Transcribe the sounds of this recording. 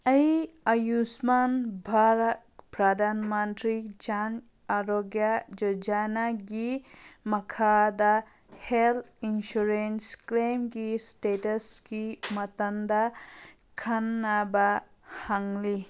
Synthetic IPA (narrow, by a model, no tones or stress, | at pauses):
ɐjɐjusmanbʱaɾat̪̚pɾad̪ʱanmɐntɾid͡ʒan | aɾoɡjad͡ʒɔd͡ʒanaɡimɐkʰad̪a | heltinʃuɾensklemɡisʈetɐskimɐt̪ɐnd̪a | kʰanːaba | haŋli